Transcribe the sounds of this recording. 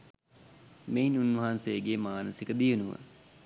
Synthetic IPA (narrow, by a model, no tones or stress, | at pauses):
meinunʋəɦansejəɡeːmaːnəsikəd̪ijənuʋə̰